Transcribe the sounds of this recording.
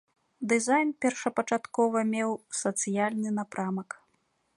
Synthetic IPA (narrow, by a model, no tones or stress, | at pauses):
d̪ɨzajnpʲɛrʂɐpɐt͡ʂat̪kɔvɐmʲɛwsɐt̪sɨjalʲnɨnapɾamɐk